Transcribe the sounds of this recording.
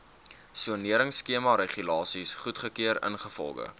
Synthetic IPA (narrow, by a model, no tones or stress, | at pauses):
suəniəɾəŋsːkiəmɑɾeχylɑːsisχutχəkiəɾə̰nχəfɔ̰lˠɡə̰